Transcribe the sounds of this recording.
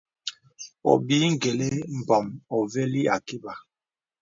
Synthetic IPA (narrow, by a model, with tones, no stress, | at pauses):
ɔ̰˨biː˨˦ŋ̩˦˨ɡɛ˨lɛ˦m̩˨bɔ˨mɔ˨vɛ˦li˦a̰˨ki˦ba˨